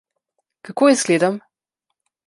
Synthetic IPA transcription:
kakoːjɛzɡleːd̪am

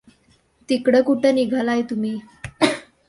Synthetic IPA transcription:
t̪ikɽəkuʈəːniɡʱalajt̪umiː

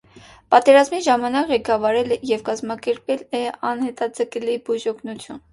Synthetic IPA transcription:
pɑt̪ɛɾɑzmiʒɑmɑnɑkʁɛkɑvɑɾɛlɛjɛvkɑzmɑkɛɾpɛlɛɑnhɛt̪ɑd͡zəkɛlibuʒɔkʰnut͡sʰjun

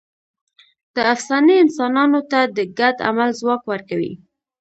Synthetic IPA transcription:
d̪̥əafsɑniɪnsɑnɑnot̪ad̪əɡad̪a̰malzwɑkwaɾkawḭ

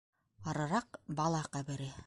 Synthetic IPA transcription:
ɑɾɤ̆ɾɑqbɑlˠɑqæbɘ̆ɾɘ

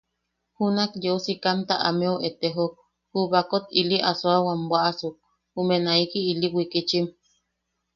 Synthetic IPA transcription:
hunakjeosikant̪aʔameoʔet̪eɦok̚ | huβakot̪iliʔasoawambwaʔasuk̚ | humenaikiːliwikit͡ʃim

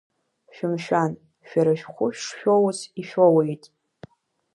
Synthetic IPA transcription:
ʃᶣʊmʃᶣan | ʃᶣaɾaʃᶣχʷʊʃᶣʂʃᶣowsiʃᶣowejtʼ

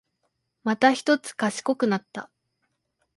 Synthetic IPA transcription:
mat̪açi̥t̪o̞t͡sɨ̥kaɕi̥ko̞kɯ̟nat̪ːa̰

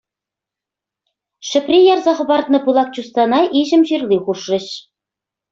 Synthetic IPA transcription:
ʃɘ̆prʲijɑrzɑχɤ̆βɑrt̪nɤ̆pulˠɑk̚t͡ɕust̪ɑnɑʔiʑɘ̆mʑirlʲˠiχuʃrɤ̆ɕ

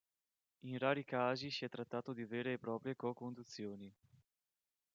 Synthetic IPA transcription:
invaːɾikaːzisiɛt̪ːɾat̪ːaːt̪od̪iveːɾeːpːɾɔːpɾjekɔkond̪ut̪sːjoːni

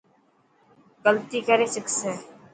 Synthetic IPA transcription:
ɡəlt̪iːkəɾeːsɪksẽː

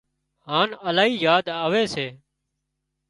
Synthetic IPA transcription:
ɦaːnəlaːɦiːjaːd̪aːʋeːseː

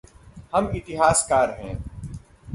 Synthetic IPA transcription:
hɐmɪt̪ɪɦaːskaːɾɦɛ̰̃ː

